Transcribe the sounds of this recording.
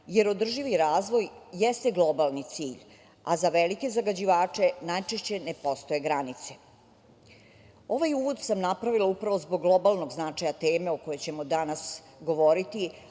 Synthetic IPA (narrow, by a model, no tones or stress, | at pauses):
jeɾo̞d̪r̩ʒiʋiɾaːzʋo̞jjest̪eɡlˠo̞balˠnit̪siːʎ | azaʋelike̞zaɡad͡ʑiʋaːt͡ʂe̞najt͡ʃeʃt͡ɕe̞nepo̞st̪o̞je̞ɡɾanit̪se̥ | o̞ʋajuʋod̪samnapɾaʋilˠaupɾaʋo̞zboɡːlˠo̞balˠno̞ɡznat͡ʂajat̪eːme̞oko̞jot͡ɕe̞mod̪anasɡo̞ʋo̞ɾit̪i